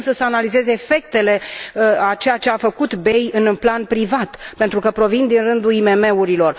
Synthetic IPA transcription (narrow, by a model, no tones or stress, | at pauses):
səsəanalize̞zeːfe̞k̚t̪e̞le̞əat͡ʃe̞jat͡ʃe̞afəkut̪be̞jɨnplanpɾivat̪pe̞nt̪ɾukəpɾo̞vind̪inrɨnd̪uime̞me̞uɾilo̞r